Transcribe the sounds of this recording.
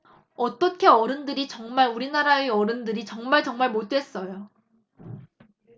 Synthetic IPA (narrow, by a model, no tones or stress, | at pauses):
ʌt͈ʌkʰe̞ʌɾɯndɯɾit͡ɕʌŋmaɾuɾinaɾaeʌɾɯndɯɾit͡ɕʌŋmaɭt͡ɕʌŋmaɭmot͈we̞s͈ʌjo